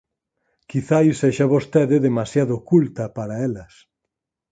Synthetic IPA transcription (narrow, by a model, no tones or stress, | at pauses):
kiθajseʃaβost̪eðɪðemasjaðokult̪ɐpaɾɐelɐs